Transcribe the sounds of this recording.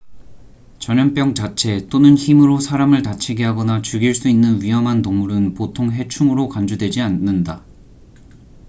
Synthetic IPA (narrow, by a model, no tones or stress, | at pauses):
t͡ɕʌɲʌŋp͈jʌŋt͡ɕat͡ɕʰe̞t͈onɯnçimɯɾosʰaɾamɯɭtat͡ɕʰiɡeɦaɡʌnat͡ɕuɡiɭs͈uinːɯnɥiɦʌmɦantoŋmuɾɯnpotʰoŋɦe̞t͡ɕʰuŋɯɾokand͡ʑudwe̞d͡ʑianːɯnda